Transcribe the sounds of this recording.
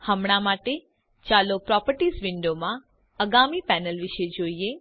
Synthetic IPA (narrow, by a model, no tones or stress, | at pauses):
həmɳ̃amaʈe | t͡ʃalopɾɔpəɾʈizʋɪɳɖomã | əɡamipɛnəlʋɪʃed͡ʒoie